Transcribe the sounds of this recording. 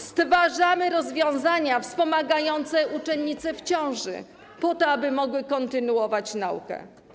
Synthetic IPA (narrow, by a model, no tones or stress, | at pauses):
st̪vaʐamɘɾɔzvʲjɔ̃w̃zaɲafspɔmaɡajɔnt̪sɛʔut͡ʂɛnɲːit̪sɛft͡ɕɔ̃w̃ʐɘ̰ | pɔt̪ɔabɘmɔɡwɘkɔnt̪ɘnuɔvat͡ɕnaukɛ̰